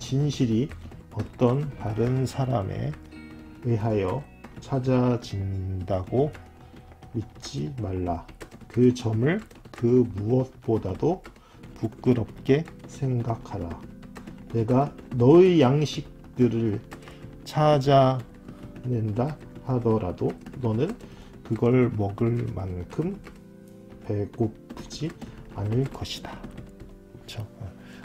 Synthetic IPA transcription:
t͡ɕinɕʰiɾi | ʌt͈ʌntaɾɯnsʰaɾame̞̰ | ɯɦajʌ | t͡ɕʰad͡ʑad͡ʑindaɡo | mit̚t͡ɕ͈imaɭːakɯt͡ɕʌmɯɭ | kɯmuʌt̚p͈odado | puk͈ɯɾʌp̚k͈e̞sʰe̞ŋɡakʰaɾa | ne̞ɡanʌijaŋɕʰik̚t͈ɯɾɯɭ | t͡ɕʰad͡ʑa | ne̞nda | hadʌɾʔadonʌnɯn | kɯɡʌɭmʌɡɯɭmankʰɯm | pe̞ɡopʰɯd͡ʑianɯɭkʌɕʰi̥d̥a | kɯt͡ɕʰo

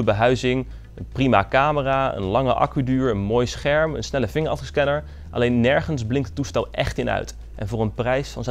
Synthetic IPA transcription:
əbəɦœɥzɪŋ | ənprima̰kaːməraːə̰nlɑŋəʔɑ̰kydyːɹənmoːjsχɛɹmə̰nsnɛləvɪŋəɹɑftəskɛnəɹ | ʔɑ̰lejnːɛɹχənzblɪŋktətːustɛlˠʔɛ̰χtɪnœ̰ɥt | ʔɛ̰nvʊːɹənprɛjsfɑ̰nz

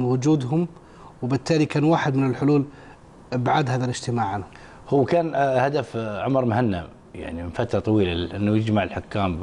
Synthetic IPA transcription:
nwʊd͡ʒuːd̪ɦʊm | wbɪt̪ːaːlikaːnwaːħɪd̪mɪnɪlħʊluːl | baʕaːd̪haːðalɪd͡ʒt̪ɪmaːʕanhʊm | hʊwːkaːnhad̪afʕʊmɾˤmhanːa | ja̰ʕnimɪnfat̪ɾˤɑt̪ˤɑwiːlaʔɪnːujɪd͡ʒmaʕəlħʊkːaːm

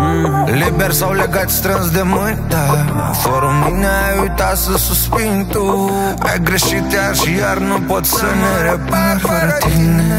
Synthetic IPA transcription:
libeɾsawleɡat̪ʲst̪ɾənsd̪emunt̪a̰ | foɾuminaujt̪asəsuspint̪u | a̰jɡɾeʃit̪eaʃjaɾnupot̪sʲsəneɾepaɾəɾt̪ine

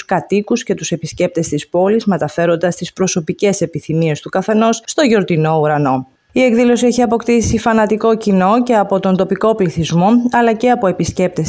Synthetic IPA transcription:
skɐt̪ikusce̞t̪use̞pisce̞p̚t̪e̞st̪ispo̞lizme̞t̪ɐfe̞ɾo̞nd̪ɐst̪ispɾo̞so̞pice̞se̞piθimie̞st̪ukɐθe̞no̞sst̪oʝo̞ɾt̪ino̞uɾɐno̞ | ie̞kðilo̞sieçiɐpo̞kt̪isifɐnɐt̪iko̞cino̞ce̞ɐpo̞t̪o̞nd̪o̞piko̞pliθizmo̞ɐlɐce̞ɐpo̞e̞pisce̞p̚t̪e̞s

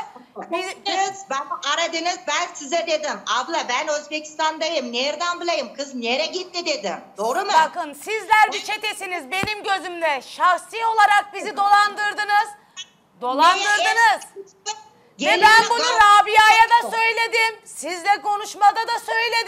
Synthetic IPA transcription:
izbæaɾad̪ɯnɯzbænsizɛd̪e̞d̪imablˠabænø̞zbecʰi̥st̪ʰand̪ajɯmneɾd̪anbɯlˠajɯmkʰɯzneɾɛɟit̪ːid̪e̞d̪ɪmd̪̥o̞ːɾumubakɯnsizlʲæɾbit͡ʃʰe̞t̪e̞sinizbe̞nimɟø̞zymd̪ɛʃaxsio̞lˠaɾak̚bizid̪o̞lˠand̪ɯɾd̪ɯnɯz̥ | d̪o̞lˠand̪ɯɾd̪ɯnɯz | ɟelʲænbunuzaːbijajad̪asø̞jlʲe̞d̪imsizd̪ɛko̞nuʃmad̪ad̪asø̞jlʲe̞d̪

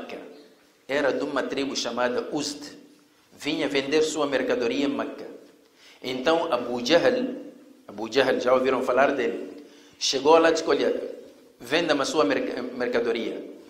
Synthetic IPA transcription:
kɐ | ɛɾɐd̪ũmɐt̪ɾibuʃamad̪ɐʔust̪ | vĩɲɐvẽnd̪eɾsuɐmeɾkad̪oɾiɐmakɐ | ẽnt̪ɐ̃w̃ɐbud͡ʒaɦl | ɐbud͡ʒaɦlʒaoviɾɐ̃w̃falaɾd̪el | ʃeɡoalad̪iʃkoʎɐ | vẽnd̪ɐmɐsuɐmeɾkmeɾkɐd̪oɾiɐ

